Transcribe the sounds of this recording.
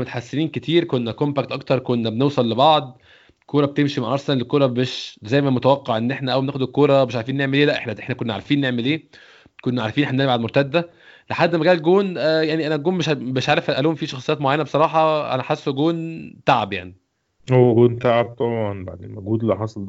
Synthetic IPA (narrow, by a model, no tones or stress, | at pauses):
met̪ħasːeniːnket̪ʰiːɾkonːækompæk̚t̪ʔɑkt̪ɑɾˤkonːæbenewsˤɑlːebɑʕd̪ˤ | kʰoːɾˤɑb̚t̪emʃimaʕʔɑɾˤsænelkːoːɾˤɑbeʃzæjmæmot̪æwæqːeʕʔenːʔeħnæʔæwbenæːxod̪ekːoːɾˤɑmeʃʕaɾfiːnːeʕmelʔeːlæʔeħnæʔeħnækonːæʕaɾfiːnːeʕmelʔeː | konːæʕaɾˤfinʔeħænænbaʕd̪moɾt̪æd̪ːæ | leħad̪ːmæɡæːlɡoːnæjaʕniʔænæɡoːmmeʃbeʃʕaːɾefælʔæluːmfiːʃɑxsˤɨ̥jæːt̪moʕajænæbesˤɑɾˤɑːħɑʔæ̰næħasːuɡoːnt̪aʕabja̰ʕni | howːæɡoːnt̪aʕab̚t̪ˤɑbʕɑnba̰ʕd̪imoɡuːd̪liħɑsˤɑld̪